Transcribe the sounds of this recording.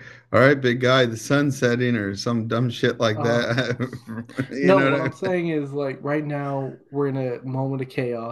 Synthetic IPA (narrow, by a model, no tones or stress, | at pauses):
ɑlˠɹaɪt̚b̥ɪɡ̚ɡaɪðɨsʌ̃nsɛɾɪ̃nə˞sʌ̃mdʌ̃mʃɪʔlaɪk̚ðæt̚ | jɨnoʊnoʊomseɪɪ̃ŋɪzlaɪkɹaɪtⁿnaʊwɪɹɨ̃nɨmõʊ̃mə̃ɾ̃ʌv̥kʰeɪɔ